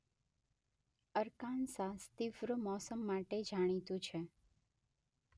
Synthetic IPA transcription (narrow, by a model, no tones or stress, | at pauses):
əɾkansast̪ifɾəmɔsəmːaʈed͡ʒʱaɽ̃it̪ũt͡ʃʰe